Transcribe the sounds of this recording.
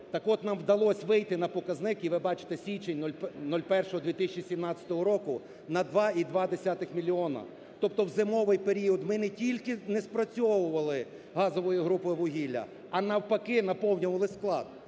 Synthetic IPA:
t̪ɐkɔt̪nɑmwd̪ɐlˠɔsʲʋɪjt̪ɪnɐpɔkɐznɪkiʋɪbɑt͡ʃɪ̥t̪ɛsʲʋʲit͡ʃenʲnɔlʲpnɔlʲpɛrʃɔɦɔd̪ʲʋʲit̪ɪsʲɪt͡ʃisʲimnɑt͡sʲɐ̥t̪ɔɦɔɾɔkʊ | nɐd̪ʋɑid̪ʋɑd̪esʲat̪ɪxmʲilʲiɔnɐ̰ | t̪ɔp̚t̪ɔwzɪmɔʋɪjpeɾʲiɔd̪mɪnetʲilʲkɪnɛspɾɐt͡sʲɔʋʊʋɐlˠɪ | ɦɑzɔʋɔjiɦɾupɔjʋʊɦʲilʲːɐ̰ | ɐnɐwpɐkɪnɐpɔwnʲʊʋɐlˠɪsklˠɑ̰d̪

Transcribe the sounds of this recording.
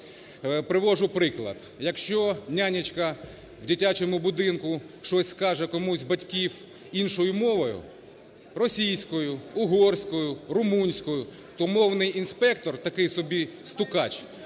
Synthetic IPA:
pɾɪʋɔʒʊpɾɪklˠɐ̰d̪̥ | jɐkʃt͡ʃɔnʲanʲɐt͡ʃkɐ | wdʲitʲat͡ʃɔmʊbʊd̪ɪnkʊ | ʃɔsʲskɑʒɛkɔmuzʲbɐtʲkʲiw | inʃɔjʊmɔʋɔjʊ̰ | rɔsʲijsʲkɔjʊʊɦɔrsʲkɔjʊɾʊmunʲsʲkɔjʊ | t̪ɔmɔwnɪjinspɛkt̪ɔrt̪ɐkɪjsɔbʲist̪ʊkɑt͡ʃ

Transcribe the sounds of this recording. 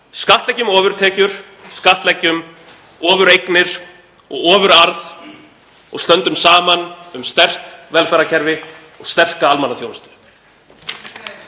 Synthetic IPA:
skaht̪lɛcːʏmɔːvʏɾ̥t̪ʰɛːcʏɾ̥ | skaht̪lɛcːʏm | ɔːvʏɾejknɪɾ̥ | ɔ̰ɣɔːvʏɾaɾð | ɔ̰ɣst̪œnt̪ʏmsaːmanʏmst̪ɛr̥t̪vɛlfɛɾacʰɛɾvɪ | ɔɣst̪ɛr̥kaalmanaθjownst̪ʏ̥

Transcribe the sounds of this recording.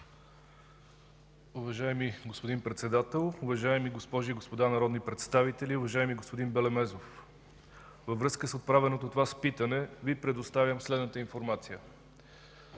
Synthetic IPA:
uvɐʒaɛmiɡospod̪inpɾɛt̪sɛd̪at̪ɛlˠʊvɐʒaɛmiɡospɔʒiːɡospod̪anɐɾɔd̪nipɾɛt̪st̪avit̪ɛliʊvɐʒaɛmiɡospod̪inbɛlɛmɛzof | vəvɾɤskəsot̪̚pɾavɛnot̪ot̪ovaspit̪ənɛvipɾɛd̪ost̪avʲjəmslɛd̪nət̪əinfoɾmat̪sijə

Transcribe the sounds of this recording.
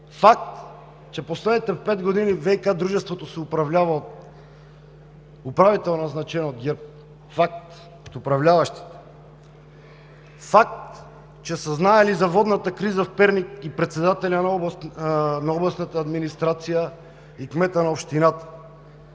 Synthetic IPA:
fak̚t̪ | t͡ʃɛposlɛd̪nit̪ɛfpɛd̪ɡod̪inivɛjkad̪ɾuʒɛst̪vot̪osɛupɾɐvlʲavɐot̪ | upɾavit̪ɛlˠnaznat͡ʃɛnod̪̚ɡʲɛɾp̚ | fak̚t̪ | t̪upɾɐvlʲavɐʃt̪i̥t̪ɛ̥ | fak̚t̪ | t͡ʃɛsəznaɛlizɐvɔd̪nat̪əkɾizəfpɛɾnikipɾɛt̪sɛd̪at̪ɛlʲanɔ | naɔblˠɐsnat̪əːd̪minist̪ɾat̪sijə | ikmɛt̪ənɐopʃt̪inat̪ə̥

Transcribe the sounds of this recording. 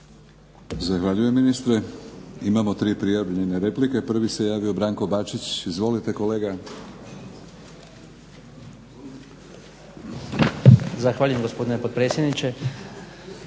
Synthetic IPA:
zaxʋaʎujemːinist̪ɾeimamo̞t̪ɾiːpɾijaʋʎeneɾe̞plike̞pr̩ʋise̞jaːʋio̞bɾaːŋko̞bat͡ʃit͡ɕizʋo̞lit̪e̞ko̞le̞ːɡa | zaxʋaːʎujemɡospo̞d̪inepod̪̚pɾeːsjed̪nit͡ʃe

